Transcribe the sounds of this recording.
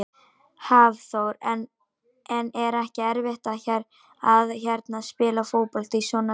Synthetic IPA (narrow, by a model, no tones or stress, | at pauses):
havθowɾɛn | ɛnɛɾɛhcɪɛɾvɪht̪açɛɾ | aðçɛɾt̪naðspɪːlafoːwpɔl̥t̪isɔna